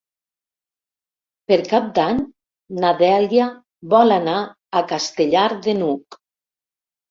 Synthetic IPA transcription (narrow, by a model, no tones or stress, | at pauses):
peɾkap̚d̪aɲ | naðɛlja | βɔlanaː | kast̪eʎaɾðenuk